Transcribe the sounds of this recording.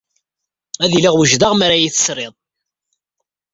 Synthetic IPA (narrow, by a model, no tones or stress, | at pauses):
æðilɪʁwəʒðaʁmaɾæjiθə̥sɾɪðˤ